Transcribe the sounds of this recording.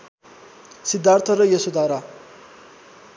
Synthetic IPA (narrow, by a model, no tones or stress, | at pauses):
sid̪ːart̪ʰʌɾʌjʌsud̪ʱaɾa